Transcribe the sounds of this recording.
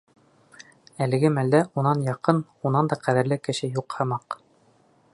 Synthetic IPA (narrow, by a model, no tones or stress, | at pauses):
ælɘ̆ɡɘmæld̪æʔunɑnjɑqɤn | unɑnd̪ɑqæðɘ̆ɾlɘkɘ̆ɕɘjuqhɤ̆mɑq